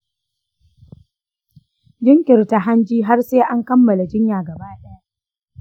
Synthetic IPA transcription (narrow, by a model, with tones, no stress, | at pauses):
d͡ʒɪ˦ŋkʲɪ˨rta˨ɦa˦nd͡ʒiː˦ɦa˦rseː˦ʔa˦ŋkɐ˦mːɐ˨la˨d͡ʒɪ˦ɲjaː˨ɡɐ˨baː˦ɗɐ˦ja˦